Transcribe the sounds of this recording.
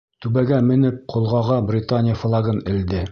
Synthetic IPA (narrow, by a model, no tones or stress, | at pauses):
t̪ʉβæɡæmɘ̆nɘp̚qʰŏlˠʁɑʁɑbrʲɪt̪anʲɪjəflˠɑɡɤnɘ̆ld̪ɘ